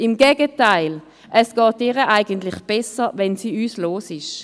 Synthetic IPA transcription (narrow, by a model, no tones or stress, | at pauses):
ɪmɡɛːɡətaɪl | ʔɛsɡ̥ɑːt̚eːʁəʔaɪɡəntlɪχb̥ɛsəvɛnsiːyːsloːsɪʃ